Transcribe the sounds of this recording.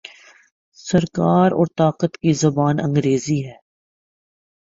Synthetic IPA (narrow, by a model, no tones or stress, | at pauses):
sɐɾkaːɾɔ̰ːɾt̪aːqət̪kizɐbaːnɐ̰̃ŋɡɾeːziɦɛː